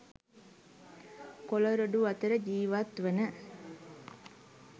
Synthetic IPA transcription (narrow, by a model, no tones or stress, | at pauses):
koloɾoɖuat̪əɾəd͡ʒiːʋat̪ʋənə